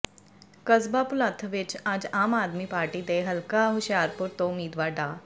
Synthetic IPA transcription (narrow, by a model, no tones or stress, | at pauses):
kɐzbapʊlat̪ʰʋɪt͡ʃaːd͡ʒaːmaːd̪miːpaːɾʈid̪eɦɐlkaɦʊʃjaːɾpʊɾt̪oʊmiːd̪ʋaːɾɖaː